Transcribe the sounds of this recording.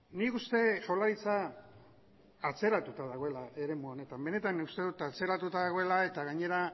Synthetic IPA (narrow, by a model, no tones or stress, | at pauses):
nikust̪e̞ʝo̞laɾit͡sa | t͡se̞ɾat̪ut̪aðaɣ̞o̞e̞laʔe̞ɾe̞muo̞ne̞t̪ambe̞ne̞t̪anːikust̪e̞ðut̪at͡se̞ɾat̪ut̪aðaɣ̞o̞elae̞t̪aɣaɲe̞ɾa